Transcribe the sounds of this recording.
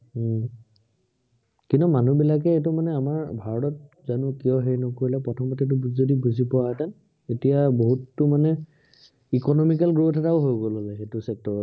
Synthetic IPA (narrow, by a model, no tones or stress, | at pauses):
kintumanubilakɛet̬umanɛamaɹbʱaɹɔtɔt̚ | zanʊkijɔɦeɹinɔkoɹilɛpɹɔtʰɔmɔtet̬ʊbzodibuzʱipɔwaɦɛtan | etijaboɦutːʊmanɛ | ikɔnɔmik̬alɡɹutʰɛtaʊɦojɡolɔlɛxetʊsɛk̚tɔɹɔ